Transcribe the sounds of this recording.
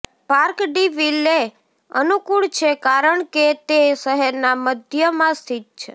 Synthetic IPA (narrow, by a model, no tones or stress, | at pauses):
paɾkɖiʋile | ənukuɭt͡ʃʰekaɾəɳket̪eʃəɦɛɾnaməd̪ʱjəmãst̪ʰit̪̚t͡ʃʰe